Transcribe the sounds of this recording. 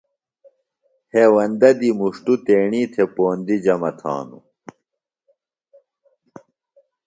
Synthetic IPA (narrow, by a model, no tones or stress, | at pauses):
heːwɐnd̪ɐd̪imuʂʈut̪eːɳiːt̪ʰepoːnd̪id͡ʑɐmɐt̪ʰa̰ːnṵ